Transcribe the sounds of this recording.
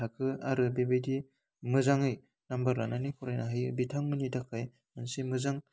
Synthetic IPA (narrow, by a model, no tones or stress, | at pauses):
akʰɯaɾɯbebajdi | mɯzaŋɯj | nambɐɾːananikʰuɾajnaɦɯjbitʰaŋmɯnidakʰaj | mansimɯzaŋ